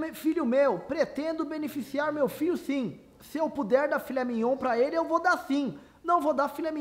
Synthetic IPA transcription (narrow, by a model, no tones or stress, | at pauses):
fiʎʊmewpɾet̪ẽnd̪ʊbẽnefisiaɾmewfiʎʊsĩ | sɪewpud̪ɛɾd̪afiʎʲɐmĩɲõpɾɐelɪewvod̪asĩ | nɐ̃w̃vod̪afilɐmĩ